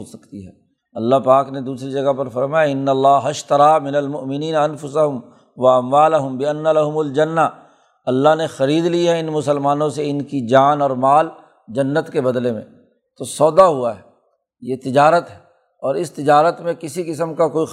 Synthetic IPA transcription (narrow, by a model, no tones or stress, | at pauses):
osɐkt̪iɦɛː | ɐlːaɦpaːkned̪uːsɾid͡ʒɐɡapɐɾfɐɾmaːjaɪnːɐlːaːɦɐʃt̪ɐɾaːmɪnɐlmʊʔmɪniːnɐnfʊsɐɦʊm | ʋɐɐmwaːlɐɦʊmbɪɐnːalɐɦʊmʊld͡ʒɐnːa | ɐlːaɦnexɐɾiːd̪liɦɛɪnmʊsəlmaːnõseɪnkid͡ʒaːnɔːɾmaːl | d͡ʒɐnːət̪kebɐd̪lemḛ̃ | t̪osɔːd̪aɦuaɦɛ | jet̪ɪd͡ʒaːɾət̪ɦɛ | ɔːɾɪst̪ɪd͡ʒaːɾət̪mẽkɪsikɪsəmkakoːi